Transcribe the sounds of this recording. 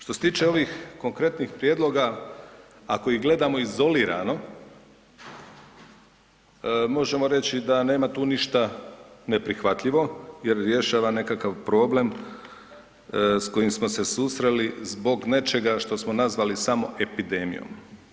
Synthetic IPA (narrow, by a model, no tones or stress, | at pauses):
ʃt̪oset̪iːt͡ʃe̞o̞ʋixko̞ŋkɾe̞t̪nixpɾjed̪lˠo̞ɡa | akoiɡle̞d̪amo̞izo̞liːɾa̰no̞ | mo̞ʒe̞mo̞ɾe̞t͡ɕid̪ane̞ːmat̪uːniʃt̪ane̞pɾixʋat̪ʎiʋo̞je̞ɾɾje̞ʃaːʋane̞kakaʋpɾo̞ːble̞m | sko̞jimsmo̞se̞susɾe̞lizbo̞ɡne̞t͡ʃe̞ɡaʃt̪o̞smonazʋalisamo̞ʔe̞pid̪e̞mḭjo̰m